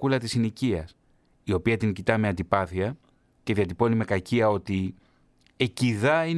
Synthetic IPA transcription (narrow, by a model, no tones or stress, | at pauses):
ulɐt̪isiniciɐs | io̞piɐt̪iŋcit̪ɐme̞ɐnd̪ipɐθiɐ | ce̞ðiɐt̪ipo̞nime̞kɐciɐo̞t̪i | e̞ciðɐin